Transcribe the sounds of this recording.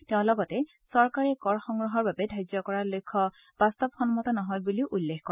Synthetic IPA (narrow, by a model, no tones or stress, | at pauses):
tɛʊ̃lɔɡɔtɛ | sɔɹkaɹɛkɔɹxɔŋɡɹɔɦɔɹbabɛdʱajzɔkɔɹalojkʰːɔ | b̥ast̪ɔbxɔnmɔtanɔɦɔjbuliʔulːexkɔɛ